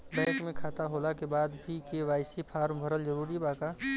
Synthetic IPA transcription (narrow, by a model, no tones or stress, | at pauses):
bɛ̃ːkmẽkʰaːt̪aɦoːlakebaːd̪bʱikeʋaːɪsipʰaːɾmbʱəɾəld͡ʒəɾuːɾibaːka